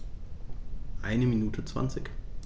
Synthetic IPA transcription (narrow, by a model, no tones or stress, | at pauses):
ʔa̰ɪnəminuːtʰət͡sv̥a̰nt͡sɪk